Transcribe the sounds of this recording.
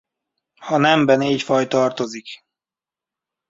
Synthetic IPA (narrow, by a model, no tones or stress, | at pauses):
hɒnɛmbɛnecfɒjt̪ɒrt̪o̞zik